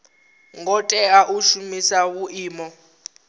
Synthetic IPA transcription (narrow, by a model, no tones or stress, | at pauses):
ŋɡɔtʼɛaʔuʃumisawuʔiːmɔ